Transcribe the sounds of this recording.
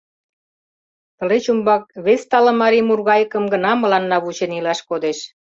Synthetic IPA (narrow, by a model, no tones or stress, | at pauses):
t̪ə̆let͡ɕumbɑk̚βest̪ɑlɤ̆mɑɾimurɣɑjəkə̆mɡə̆nɑmə̆lɑnːɑβut͡ɕenilɑʃkod̪eʃ